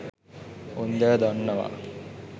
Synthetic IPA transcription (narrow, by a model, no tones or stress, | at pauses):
und̪æːd̪ɔnːɐʋa̰ː